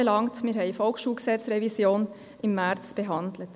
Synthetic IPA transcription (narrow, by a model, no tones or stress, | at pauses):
əlɑŋtmiːɾɦɛɪfɔlkʃuːlɡəsɛt͡sɾɛvisjoːn | ɪmːæɾt͡sb̥əɦɑndlət